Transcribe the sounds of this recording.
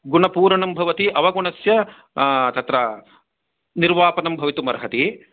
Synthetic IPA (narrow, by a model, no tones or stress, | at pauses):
ɡuɳɐpuːɾɐɳɐmbʱɐʋɐt̪iʔɐʋɐɡuɳɐsjɐ | t̪ɐt̪ɾɐ | niɾʋaːpɐnɐmbʱɐʋit̪umɐɾɐɦɐt̪i